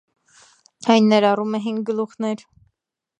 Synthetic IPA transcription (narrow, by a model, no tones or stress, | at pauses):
hɑjnːɛɾɑrumɛɦiŋɡ̚ɡəluχnɛɾ